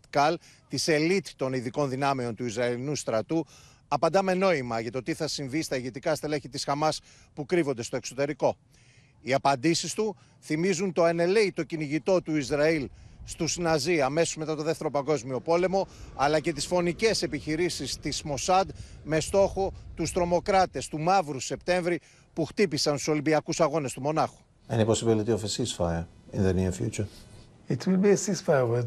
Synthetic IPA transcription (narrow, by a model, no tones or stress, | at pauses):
t̪kɐl | t̪ise̞lit̪i̥t̪o̞niðiko̞nðinɐmeo̞nt̪uizɾɐilinust̪ɾɐt̪u | ɐpɐnd̪ɐme̞no̞imɐʝɐt̪o̞t̪iθɐsiɱvist̪ɐiʝet̪ikɐst̪eleçit̪isxɐmɐs | pukɾivo̞nd̪est̪o̞e̞kso̞t̪e̞ɾiko̞ | iɐpɐnd̪isist̪u | θimizunt̪o̞ene̞leit̪o̞ciniʝit̪o̞t̪uizɾɐilst̪usnɐziɐme̞sozme̞t̪ɐt̪o̞ðe̞ft̪e̞ɾo̞pɐŋɡo̞zmio̞po̞le̞mo̞ɐlɐce̞t̪isfo̞nice̞se̞piçiɾisist̪ismo̞sɐd̪me̞st̪o̞xo̞t̪ust̪ɾo̞mo̞kɾɐt̪e̞st̪umɐvɾuse̞pt̪e̞ɱvɾi | puxt̪ipisɐnsu̥so̞limbiɐkusɐɣo̞ne̞st̪umo̞nɐxu̥ | eniposibilit̪iofəsisfajə | ĩnðəniəfjṵt͡ʃə | itʰwilbiəsisfavə